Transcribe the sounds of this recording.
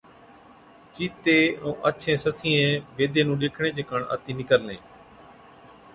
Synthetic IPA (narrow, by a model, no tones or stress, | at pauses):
t͡ʃiːt̪eːõːʔəʃʰẽːsəsĩːẽːʋeːd̪ʱẽːnũːɗeːkʰɳ̃ẽːd͡ʒeːkəɳə̰t̪iːnɪkəɾlḛ̃ː